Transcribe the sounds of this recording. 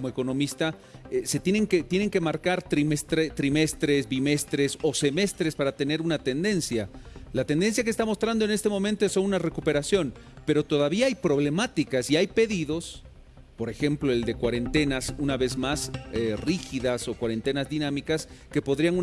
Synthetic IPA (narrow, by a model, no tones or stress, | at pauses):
moeko̞no̞mist̪a | se̞t̪jeneŋket̪je̞ne̞ŋke̞maɾkaɾt̪ɾimest̪ɾet̪ɾime̞st̪ɾe̞zbime̞st̪ɾe̞so̞se̞me̞st̪ɾespaɾat̪e̞ne̞ɾunat̪e̞nd̪e̞nsjalat̪e̞nd̪e̞ns̬jak̬est̪amo̞st̪ɾand̪oe̞ne̞st̪e̞mo̞mẽnt̪oesːo̞nunare̞kupe̞ɾasjo̞n | pe̞ɾo̞t̪o̞ðaβiaajpɾo̞βle̞mat̪ikasiajpe̞ðiðo̞s | po̞ɾe̞xe̞mplo̞eld̪e̞kwaɾe̞nt̪e̞nasunaβe̞zmaserixiðaso̞kwaɾe̞nt̪e̞nazðinamikaske̞po̞ðɾianu